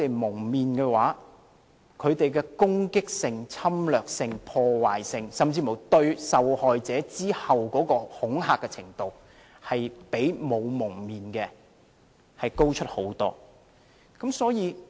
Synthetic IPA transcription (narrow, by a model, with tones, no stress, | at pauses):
e˨jmʊ˨˩ŋmiː˨nkɛː˧waː˨˥ | kʰɵ˨˧ɥt̪e˨jkɛː˧kʊ˥ŋkɪ˥k̚sɪ˨ŋt͡sʰɐ˥mlœː˨˩k̚sɪ˨ŋpʰɔː˧waː˨˩jsɪ˨˧ŋsɐ˨mt͡siː˧mo˨˩wt̪ɵ˧ɥsɐ˨whɔː˨jt͡sɛː˨˥t͡siː˥hɐ˨wkɔː˨˥kɔː˧hʊ˨˥ŋɦaː˨kːɛ˧t͡sʰɪ˨˩ŋt̪o˨˧w | hɐ˨jpe˨˥jmo˨˧wmʊ˨˩ŋmiː˨nkɛ˧ | hɐ˨jko˥wt͡ʃʰɵ˥t̚ho˨˥wt̪ɔː˥ | kɐ˨˥msɔː˨˥jiː˨˧